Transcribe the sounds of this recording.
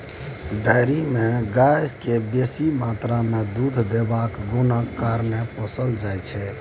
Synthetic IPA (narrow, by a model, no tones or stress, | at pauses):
ɖajɾimeɡajd͡ʒkebesimat̪ɾamed̪ud̪ʱd̪ebakɡonəkːaɾneposəld͡ʒajt͡ʃʰɛ